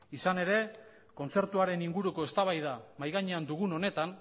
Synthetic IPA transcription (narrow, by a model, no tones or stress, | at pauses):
isane̞ɾe̞ | ko̞nt͡se̞ɾt̪uaɾe̞niŋɡuɾuko̞e̞st̪aβajðamajɣaɲeand̪uɣ̞uno̞ne̞t̪an